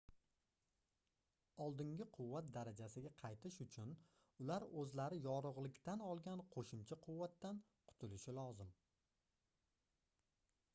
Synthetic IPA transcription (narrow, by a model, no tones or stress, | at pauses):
ɒlˠd̪ɪŋɡʲɪqʰʊwːat̪̚d̪aɾad͡ʒasɪɡʲaqʰɑjt̪ʰɪʃʊt͡ʃʰʊn | ʊlaɾɵzlaɾɪjɒɾʊʁlˠɪkʲt̪anɒlˠɡʲanqʰoʃʊmt͡ʃʰaqʰʊwːat̪ːan | qʰʊ̥t̪ʰʊlɪʃɪlɒzɪm